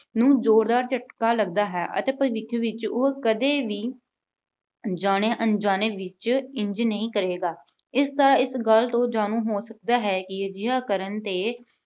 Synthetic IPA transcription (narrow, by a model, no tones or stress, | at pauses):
nũːd͡ʒoːɾd̪aːɾt͡ʃəʈkaːləɡd̪aːɦɛːʔə̰t̪eːpəʋɪkʰːʋɪt͡ʃokəd̪eːʋiː | d͡ʒaːɽ̃eːʔənd͡ʒaːneːʋɪt͡ʃɪ̃ɲd͡ʒnəĩːkəɾeːɡaː | ɪst̪əɾaːɪsɡəlt̪õːd͡ʒaːnũːɦoːsək̚d̪aːɦɛːkɪd͡ʒɪɦãːkəɾənt̪eː